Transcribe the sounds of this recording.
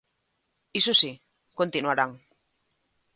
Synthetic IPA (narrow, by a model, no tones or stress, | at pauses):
isosi | kont̪inuaɾaŋ